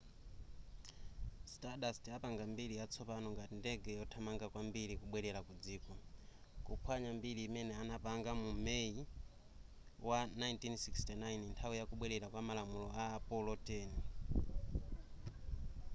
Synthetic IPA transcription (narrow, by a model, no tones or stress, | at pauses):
staɗastiapaŋɡambiɾijat͡sʰɔpanɔŋɡatindɛɡɛjɔtʰamaŋɡakwambiɾikuɓwɛɾɛɾakud͡ziːkɔkupʰwaɲambiɾiːmɛnɛanapaŋɡamumei | wanajntinsikstinajnintʰawujakuɓwɛɾɛɾakwamalamulɔaːpɔlɔtɛːni